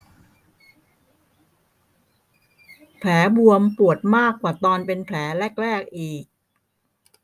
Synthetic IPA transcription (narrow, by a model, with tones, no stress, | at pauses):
pʰlɛː˩˦bu˧əmpu˨˩ət̪̚maː˥˩kːwaː˨˩t̪ɔː˧npe˧npʰlɛː˩˦lɛː˥˩k̚ɾɛː˥˩k̚ʔiː˨˩k̚